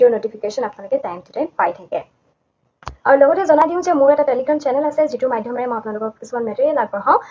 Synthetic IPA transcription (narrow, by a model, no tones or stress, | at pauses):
onoʈipʰikeʃɔnapnalɔʊkɛt̪ajntʰitɛjpajtʰakɛ | aɹulɔɡɔtɛzɔnadiʊ̃zemuɹɛʈateliɡʰɔnt͡ʃɛnɛlasɛzitumajdʱjɔmaɛmɔapnalokɔkʰisimanmɛteɛlaɡ̚bɔɦɔ̃